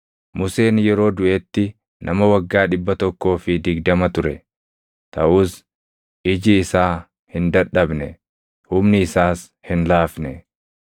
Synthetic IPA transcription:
mʊse̞ːnjɛɾo̞ːd̪ʊʔeːt̪ːɪ | nʔɐmɐwɐɡːaːᶑɪbːɐt̪ɔkːo̞ːfɪd̪ɪɡd̪ɐmɐt̪ʊɾɛ | t̪ɐʔʊːs | ʔɪd͡ʒɪːsaː | hɪnd̪ɐᶑːɐbnɛ | hʊmnɪːsaːs | hɪnlaːfnɛ

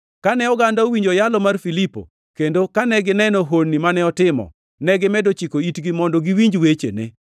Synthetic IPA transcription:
kanɛɔɡandaowiɲd͡ʒojalɔmarfilipo̰ | kendokanɛɡɪnɛnɔɦonːimanɛɔtɪmɔ̰ | nɛɡɪmɛdot͡ʃikoitɡimɔndɔɡiwiɲd͡ʒwet͡ʃḛnḛ

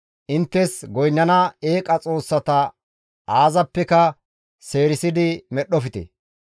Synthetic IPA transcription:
ʔɪnt̪ːɛsɡɔjnːɐnɐe̞ːkʼɐt͡sʼo̞ːsːɐt̪ɐ | aːzɐpːɛkɐ | se̞ːɾɪsɪd̪ɪmɛɗɔfɪt̪ɛ̰

